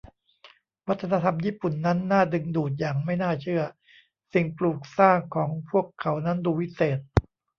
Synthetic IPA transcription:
wa˦˥t̪ʰːa˧na˧t̪ʰa˧mjiː˥˩pu˨˩nːa˦˥nːaː˥˩dɯ˧ŋduː˨˩t̪̬̚jaː˨˩ŋma˥˩jnaː˥˩t͡ɕʰɯ˥˩ɐ | si˨˩ŋpluː˨˩k̚saː˥˩ŋkʰɔː˩˦ŋpʰu˥˩əkʰːa˩˦wna˦˥nduː˧wi˦˥seː˨˩t̪̚

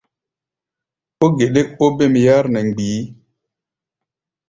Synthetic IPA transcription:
o˦ɡe˨ɗe˦k̚o˦be˦˨m˨ja˦ɾnɛ˨ŋ˨ɡ͡biː˨˦

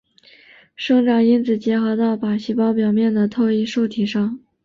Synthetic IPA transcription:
ʂɤ˥˧ŋʈ͡ʂɑ˨˩ŋi˥nt͡sʰɹ̩˨˩t͡ɕjɛ˧˥xɤ˧˥t̪ɑ˥˩ʊpa˨˩ɕi˧˥pɑ˥ʊpjɑ˨˩ʊmjɛ˥˩nd̪ə˩t̪ʰo˥˧ʊi˥˧ʂo˥˩ʊt̪ʰi˨˩ʂɑ˥˩ŋ

